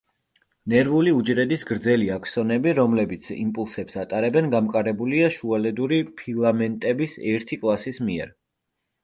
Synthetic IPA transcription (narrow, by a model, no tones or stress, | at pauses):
nɛɾvuliud͡ʒɾɛd̪isɡɾd̪zɛliakʰsɔnɛbiɾɔmlɛbit̪sʰḭmpʼulˠsɛpsat̪ʼaɾɛbɛnɡamkʼaɾɛbuliaʃualɛd̪uɾipʰilˠamɛnt̪ʼɛbisɛɾt̪ʰikʼlˠasismiɛɾ